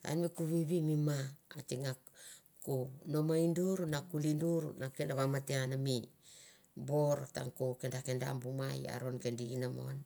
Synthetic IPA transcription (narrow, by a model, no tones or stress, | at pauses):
a̰nmikuβiβimimaːtiŋa | kunomainduɾunakulinduɾunakendaβamateanami | boɾta̰ŋkokendakenda̰mbumaja̰ɾonkendiɡinamo̰n